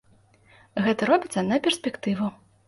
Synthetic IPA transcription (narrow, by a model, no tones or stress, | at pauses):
ɣɛt̪ɐɾɔbʲit̪sːɐnɐpʲɛrsʲpʲɛkt̪ɨvu